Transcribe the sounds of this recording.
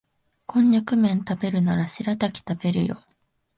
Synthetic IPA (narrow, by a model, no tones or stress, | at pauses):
kʰõ̞ɲːakɯ̟mẽ̞nt̪abe̞ɾɯ̟naɾaɕiɾat̪akʲi̥t̪abe̞ɾɯ̟̰jo̞̰